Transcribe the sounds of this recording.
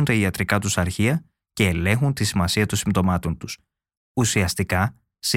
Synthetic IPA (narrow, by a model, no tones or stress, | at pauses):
nt̪ɐiɐt̪ɾikɐt̪usɐɾçiɐ | ce̞ːle̞ŋxunt̪isimɐsiɐt̪onsimt̪o̞mɐt̪o̞nt̪us | usiɐst̪ikɐ | si